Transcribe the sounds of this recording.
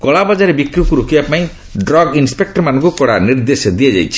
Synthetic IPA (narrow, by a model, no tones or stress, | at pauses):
kɔɭabad͡ʒaɾebikɾukuɾokibapaĩ | ɖɾɔɡinspek̚ʈɔɾmanɔŋkukɔɽaniɾd̪esɔd̪iad͡ʒa̰jt͡ʃʰi̥